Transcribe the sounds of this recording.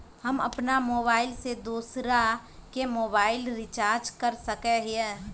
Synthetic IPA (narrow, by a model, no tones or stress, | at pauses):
hɐmɐpnamoːβaːɪlsed̪uːsɾakemoːbaːɪlɾɪt͡ʃaːɾd͡ʒkɐɾsɐkeɦiɛ̃